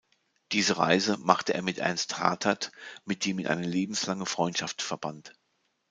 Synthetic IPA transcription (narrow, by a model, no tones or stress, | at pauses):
d̥iːzəʁa̰ɪzəmaχtəʔḛːɐmɪtʔɛ̰ɐnstha̰ːtʰatmɪt̚d̥eːmiːnʔa̰ɪnəleːbm̩slaŋəfʁ̥ɔʏntʃaftfɛɐbant